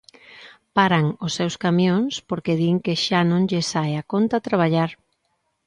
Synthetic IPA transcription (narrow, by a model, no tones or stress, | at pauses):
paɾaŋʊsːewskamjoŋspoɾkeðiŋkeʃanõŋʎesajakont̪at̪ɾaβ̞aʎaɾ